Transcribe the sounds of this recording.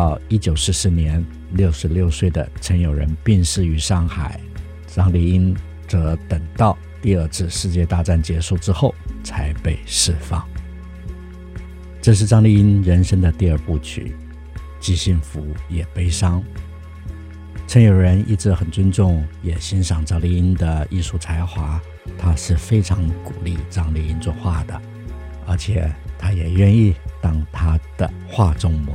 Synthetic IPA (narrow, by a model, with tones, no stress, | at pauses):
ɑ˥˩ʊi˥t͡ɕjo˨˩ʊʂɻ̩˧˥˩sɹ̩˥njɛ˧˥n | ljo˥˩ʊʂɻ̩˧˥ljo˥˧ʊswe˥˩ɪd̪ə̰˩ʈ͡ʂʰə˧˥njo˨˩ʊɻə̰˧˥npi˥˧ŋʂɻ̩˥˩y˧˥ʂɑ˥˩ŋxa˨˩˦ɪ | ʈ͡ʂɑ˥ŋli˥˧i˥n | t͡sɤ˧˥t̪ə˨˩ŋt̪ɑ˥˧ʊ | t̪i˥˧ə˞˥˧ʈ͡ʂɻ̩˥˧ʂɻ̩˥˧t͡ɕjɛ˥˧t̪a˥˧ʈ͡ʂa˥˩nt͡ɕjɛ˧˥ʂu˥˩ʈ͡ʂɻ̩˥xo˥˩ʊt͡sʰa˧˥ɪpe˥˧ɪʂɻ̩˥˧fɑ̰˥˩ŋ | ʈ͡ʂɤ˥˧ʂ̬ɻ̩˥˩ʈ͡ʂɑ˥ŋli˥˩i˥nɻə˧˥nʂə˥ŋd̪ə˨t̪i˥˧ə˞˥˧pu˥˩t͡ɕʰy̰˨˩˦ | t͡ɕi˥ɕi˥˩nfu˧˥jɛ˨˩pe˥ɪʂɑ˥ŋ | ʈ͡ʂʰə˧˥njo˨˩ʊɻə˧˥ni˥˧ʈ͡ʂɻ̩˥˩xə˨˩nt͡sə˥nʈ͡ʂʊ˥˩ŋjɛ˨˩ɕi˧˥nʂɑ˨˩ŋʈ͡ʂɑ˥ŋli˥˧i˥nd̪ə˨i˥˧ʂu˥˩t͡sʰa˧˥ɪxwa˧˥ | t̪ʰa˥ʂɻ̩˥˩fe˥ɪʈ͡ʂʰɑ˧˥ŋkṵ˨˩li˥˧ʈ͡ʂɑ˥ŋli˥˩i˥nt͡swɔ˥˧xwa˥˩d̪ə̰˩ | ə̰˞˧˥t͡ɕʰjɛ̰˨˩t̪ʰa˥jɛ˨˩ɥɛ˥˧ni˥˧t̪ɑ˥ŋt̪ʰa˥d̪̥ə̰˨˩ | xwa˥˩ʈ͡ʂʊ˥ŋmɔ˧˥